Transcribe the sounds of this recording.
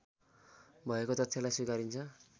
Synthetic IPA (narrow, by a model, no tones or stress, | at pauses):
bʱʌekot̪ʌt̪ʰsʰalajsukaɾint͡sʰʌ